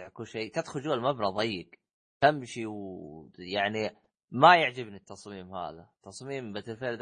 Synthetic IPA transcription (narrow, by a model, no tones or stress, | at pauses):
ʕkuʃeːt̪ad̪xʊld͡ʒuːalmabɾɑðˤɑjːɡ | hamːʃiw | jaʕni | majaʕd͡ʒɪbnit̪ːɑsˤmiːmha̰ːðat̪ːɑsˤmiːmbat̪ɪlfeʕld̪